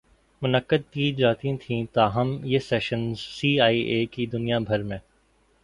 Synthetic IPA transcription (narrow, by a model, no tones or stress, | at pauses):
mʊnəkːəd̪̚kiːd͡ʒaːt̪ĩt̪ʰĩt̪aːɦɐmjesɛːʃənzsiːaːiʔeːkid̪ʊnijabʱɐɾmẽː